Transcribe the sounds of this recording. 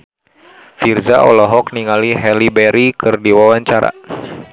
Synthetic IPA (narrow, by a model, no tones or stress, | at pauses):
fird͡ʒa̰ʔɔ̰lɔɦɔkniŋaliɦɛlibɛɾikɨrdiwawaɲt͡ʃaɾa̰